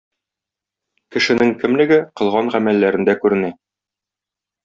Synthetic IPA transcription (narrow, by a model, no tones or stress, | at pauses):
kɘ̆ʃɘ̆nɘŋkɘ̆mlɘ̆ɡɘqɤ̆lˠʁɑnʁæmælːæɾɘ̆nd̪ækʉɾɘ̆næ